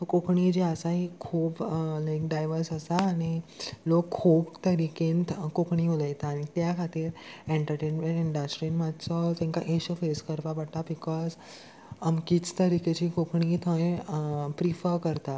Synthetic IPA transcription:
t̪okokɳid͡ʑeəsaɦikʰuːblajkɖajʋəɾsəsaːɽ̃ilokʰːubt̪əɾikẽnt̪kokɳiuləjt̪aːɽ̃it̪jakʰat̪iːɾẽɳʈəɾʈenmẽɳʈiɳɖasʈɾinmat̪t͡sɔt̪ẽŋkaʔeɕəfeskəɾpapaɽt̪abikɔz | amkit͡st̪əɾiket͡ɕikokɳit̪ʰə̃ẽpɾifəɾkəɾt̪at̪

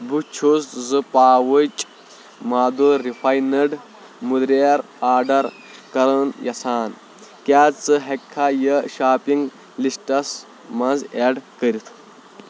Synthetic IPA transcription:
but͡ʃʰuzzɨpaːwət͡ʃʼ | maːd̪uɾifʰajnɐɖ | mud̪ɾeɾ | aːɖɐɾ | kɐɾɐnjɐsaːn | kʲaːt͡sɨɦɐkʰːajɐʃaːpiŋɡ | lisʈɐs | mɐnzeːɖkəɾit̪ʰ

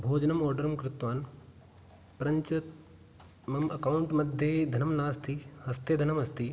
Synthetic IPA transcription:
bʱoːd͡ʒnɐmɔːɾɖɐɾɐmkɾut̪ʋaːn | pɐɾɐɲt͡ʃɐt̪ | mɐmɐkauɳʈmɐd̪ʱjed̪ʱɐnɐmnaːst̪ihɐst̪ed̪ʱɐnɐmɐst̪i

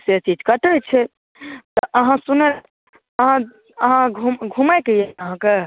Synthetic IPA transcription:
set͡ʃid͡ʒkəʈət͡ʃʰɛ | t̪ɔʔəɦãsunəl | əɦã | əɦãɡʱumɡʱumajkəjeəɦãke

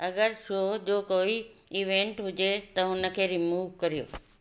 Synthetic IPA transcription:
ɐɡəɾʃoːd͡ʑoːkoːiiːʋẽːɳʈɦʊd͡ʑet̪ɐɦʊnə̆kʰeːɾimuːʋkɐɾijo̰ː

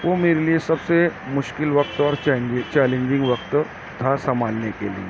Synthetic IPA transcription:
ʋomeɾeliesəbsemʊʃkɪlʋək̚t̪ɔɾt͡ɕɛlẽɲd͡ʑɪ̃ŋɡʋəkt̪ɔ | d̪ʱasəmalnekḛlḛ

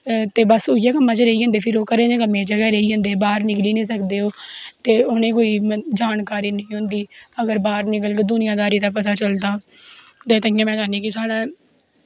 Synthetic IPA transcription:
t̪eːbəsʊɪjaːkəmːãːt͡ʃəɾəiːɦə̃nd̪eːpʰɪɾoːkəɾẽːd̪eːkəmẽːd͡ʒəɡɛːɾəiːɦə̃nd̪eːbaːɾnɪkliːnẽːs̬əkd̪eːoːt̪eːʊnẽːkoːiːd͡ʒaːnkaːɾiːnəĩːɦʊ̃nd̪iːəɡəɾbaːɾnɪkəlkd̪ʊnɪjãːd̪aːɾiːd̪aːpət̪aːt͡ʃəld̪aː | t̪eːt̪əɪjãːmɛ̃ːd͡ʒaːniːkɪsaːɽaː

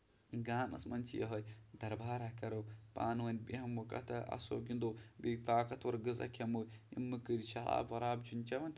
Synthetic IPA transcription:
ɡaːmɐ̰smɐnt͡ʃijɐ̰ɦɐjd̪ɐɾbaːɾɐkɐɾopa̰ːnwɐnʲbihɐmwɐkʼɐ̰t̪ʰɐʔɐ̰so̰ːɡʲind̪obit̪aːkɐt̪wɐɾɡɨzɐ̰kʰʲɐmoḭmːɨkɨɾʲit͡ʃɐla̰ːbɐɾaːbd͡ʒunt͡ʃɐʋɐnt̪

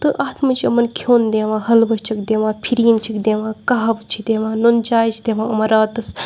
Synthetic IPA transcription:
t̪ɨʔaːt̪mɐt͡ʃʰiɐmɐnkʲʰoːnd̪eːʋãːhɐlbɐʃt͡ʃɐkd̪eːʋãːpʰiɾiːnt͡ʃʰikd̪eːʋãːkaɦɐbt͡ʃʰid̪eːʋãːnond͡ʒaːjt͡ʃʰid̪eʋãːɐmɐɾaːt̪ɐs

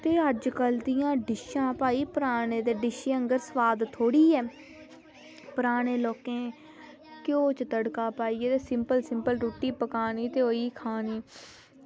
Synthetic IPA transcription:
t̪eːəd͡ʒkəld̪ɪjãːɖɪʃãːpaːiːpəɾaːɽẽːd̪eːɖɪʃeːəŋɡəɾsəʋaːd̪t̪ʰːoːɽiːɛː | pəɾaːɽ̃eːloːkẽː | kɪjõːt͡ʃt̪əɽkaːpaːiːɛːt̪eːsɪmpəlsɪmpəlɾoːʈiːpəkaːniːt̪eːoːiːkʰaːniː

